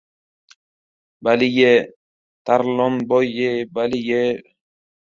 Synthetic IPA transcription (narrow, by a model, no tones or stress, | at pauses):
balije | t̪aɾlɔmbɔjebalije